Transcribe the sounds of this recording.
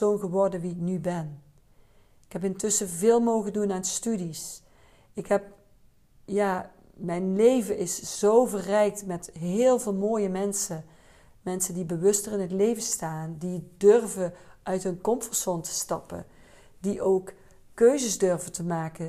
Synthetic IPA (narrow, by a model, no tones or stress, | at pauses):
ownɣəʋɔrdənʋiɪknybɛn | ɪkɦɛp̬ɪntɵsəvɪːlˠmowɣəndunaːnstydis | ɪkɦɛp̚ | jaː | mɛjnlejvəʔɪsz̥owvərɛjk̚tmɛtɦɪːlˠvɪːlˠmoːjəmɛnsə | mɛnsəndibəʋɵstərɪnɦətlejvəstaːndidørvəʔœɥtɦɵnkɔmfəɹsɔntʰə̥stɑpə̰ | diʔowk | kːøɥzəzdøɹvəntəmaːkə